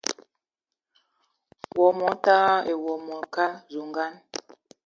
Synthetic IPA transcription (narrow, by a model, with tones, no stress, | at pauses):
wɔ˨mɔ˨˦ta˦e˨wɔ˨mɔ˨ka˦zu˨ŋɡa˦n